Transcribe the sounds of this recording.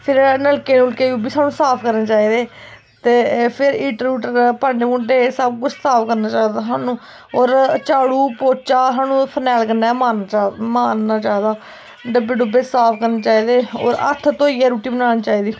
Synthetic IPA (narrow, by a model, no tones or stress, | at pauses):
pʰɪɾnəlkeːnulkeːuːbiːsaːnũːsaːpʰkəɾnaːt͡ʃaːiːd̪eː | t̪eːpʰɪɾɪʈɾuːʈəpaːɳɖeːmʊ̃ːɳʈeːsəb̚kʊd͡ʒsaːpʰkəɾnaːt͡ʃaːd̪aːsaːnũː | oːɾt͡ʃaːɽuːpoːt͡ʃaːsaːnũːpʰənɛːlkəɾnaɛːmaːnːmaːnnaːt͡ʃaːiːd̪aː | ɖəbeːɖʊbeːsaːpʰkəɾneːt͡ʃaːiːd̪eːo̰ːɾə̰t̪ʰt̪oːiːɛːɾuːʈiːbənaːɽiːt͡ʃaːiːd̪iː